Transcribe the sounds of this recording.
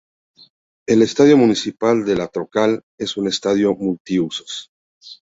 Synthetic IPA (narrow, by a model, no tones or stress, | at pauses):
e̞le̞st̪aðjomunisipald̪e̞lat̪ɾo̞kal | e̞sune̞st̪aðjo̞mult̪iuso̥s